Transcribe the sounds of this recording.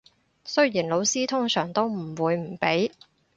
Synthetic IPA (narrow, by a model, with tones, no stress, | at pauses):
sɵ˥ɥjiː˨˩nlo˨˧wsiː˥t̪ʰʊ˥ŋsœː˨˩ŋt̪o˥wm̩˨˩wuː˨˧jm̩˨˩pe˨˥j